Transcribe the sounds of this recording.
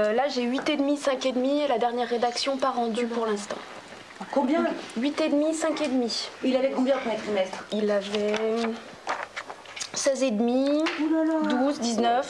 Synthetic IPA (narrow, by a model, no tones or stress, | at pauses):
ølaʒeɥit̪ed̪misɛ̃ked̪mielad̪ɛʁnjɛʁːed̪aksjɔ̃paʁɑ̃d̪yuʁlɛ̃st̪ɑ̰̃ | kɔ̃bjɛ̃ɥit̪ed̪misɛ̃ked̪miilavɛkɔ̃bjɛ̃mɛt̪χimɛst̪χilavɛ | sɛzed̪mild̪uzd̪iznœf